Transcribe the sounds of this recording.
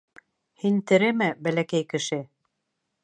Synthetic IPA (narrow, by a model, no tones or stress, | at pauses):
hint̪ɘ̆ɾɘmɘbælækæjkɘ̆ʃɘ